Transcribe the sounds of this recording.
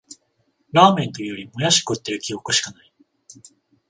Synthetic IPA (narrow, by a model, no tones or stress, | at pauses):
ɾaːmẽ̞nt̪ojɯjoɾʲimo̞jaɕi̥kɯt̪ːeɾɯ̟kʲiokɯɕi̥kanai